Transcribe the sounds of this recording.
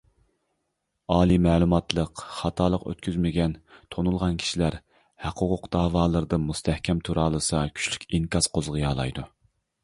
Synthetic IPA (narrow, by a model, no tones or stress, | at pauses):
ɑːlˠimɛːlˠumɑt̪lˠəqχɑt̪ʰɑːlˠəqø̰t̪̚kʲyzmɪɡʲɛnt̪ʰonulˠʁɑnkʲʰi̥ʃilæɾ | hæqʰoʁʊqd̪̥ɑːwɑːlˠəɾɨd̪ɨmust̪ʰɛhkʲʰɛmt̪ʰuɾɑːlˠɨsɑkʲʰy̥ʃly̥kʲiŋkɑz̥qozʁɑjɑːlˠɑ̰jd̪u